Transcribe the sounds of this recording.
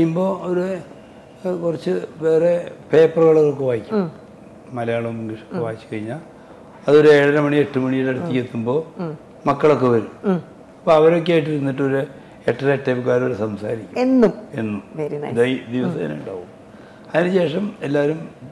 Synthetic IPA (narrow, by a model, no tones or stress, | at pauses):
ijumbo̞ːoɾe | kurɐt͡ɕːɨʋe̞ːrepe̞ːpːɐrɣɐɭoɣɭokːeʋaːjikʲːum | mɐlɐjaːɭomːuŋɡiʂokːeʋaːjit͡ɕːɨ̥kɐɻiɲːaː | ɐðo̞ɾue̞ːɽɐɾɐmɐɳie̞ʈːɨmɐɳijiʈːeɽut̪ːikʲːet̪ːumbo̞ː | mɐkːɐɭo̞kːe̞ʋɐɾum | ɐpːoɐʋɐɾo̞k̬ːeaːjʈ̬ːiɾunːiʈːɨoɾu | eʈːɐeʈːebukːaːɾumoɾusɐmsa̰ːɾikʲːumenːumenːumd̪ɐd̪iʋɐsɐḭn̰uɳɖa̰ːɣum | ɐðinɨɕe̞ːʂɐme̞lːaːɾum